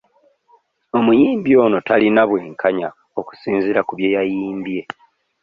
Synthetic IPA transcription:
o̞mujiːmbjo̞ːno̞talinaβwe̞ːŋkʰaɲa | o̞ku̥siːnziɾakuβje̞ːjajiːmbje̞

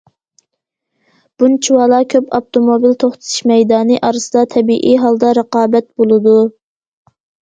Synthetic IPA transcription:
b̥unt͡ʃʰiwɑːlˠɑkʲʰøpɑpt̪omobilt̪ʰoχt̪ʰɨ̥t̪ʰu̥ʃmɛjd̪ɑːnɨʔɑɾɨsɨd̪ɑt̪ʰɛbiʔiɦɑlˠd̪ɑɾəqɑːbɛt̪̚bolˠɨd̪u

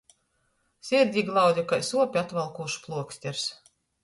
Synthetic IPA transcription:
sʲiɾd̪ʲiːɡlˠawd̪ʲikajsuɔpʲiat̪valˠkuːʃu̥plˠuɔksʲt̪ʲɛɾs

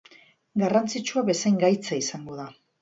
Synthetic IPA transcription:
ɡarant͡sit͡ʃuaβe̞sajŋɡajt͡saisaŋɡo̞ða

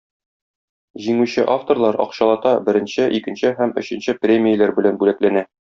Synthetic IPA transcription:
ʑiŋʉɕɘʔaft̪orlˠɑɾɒ̰qɕɑlˠɑt̪ɑbɘ̆ɾɘ̆nɕɘʔikɘ̆nɕɘɦæmɵ̆ɕɘ̆nɕɘprʲemʲijəlæɾbɘ̆lænbʉlæklænæ

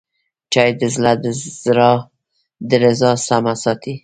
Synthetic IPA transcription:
t͡ʃɑjd̪əzlad̪ɾ | d̪əɾɪzɑsamasɑt̪i

